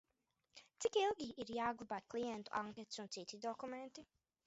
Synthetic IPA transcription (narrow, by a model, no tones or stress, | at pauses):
t̪sikilˠɡʲiʔiɾjaːɡlˠubaːt̪klˠijɛnt̪uʔaŋkʲɛt̪sunt̪sit̪id̪ɔkument̪i